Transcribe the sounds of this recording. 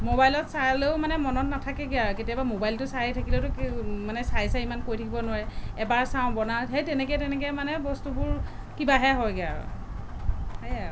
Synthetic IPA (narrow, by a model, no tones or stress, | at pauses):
mobajlɔtsaɹleʊmanɛmɔnɔtnatʰakɛɡiaketijabamobajltʊsaɦitʰakiletʊkmanɛsajsaimankojtʰakʰibɔnʊaɹɛɛbaɹsaʊ̃bɔnaɦejtɛnɛkɛtɛnɛk̬ɛmanɛbɔstubʊɹ | kibaɦɛɦɔjɡia̰ | haja